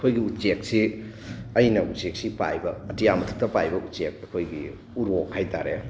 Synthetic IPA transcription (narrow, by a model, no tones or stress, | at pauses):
ɐkʰojɡiut͡ʃek̚si | ɐjnɐut͡ʃek̚sipa̰jbɐːtijamɐtʰup̚tɐpajbɐut͡ʃek̚ɐkʰojɡi | uɾokhajtaɾḛ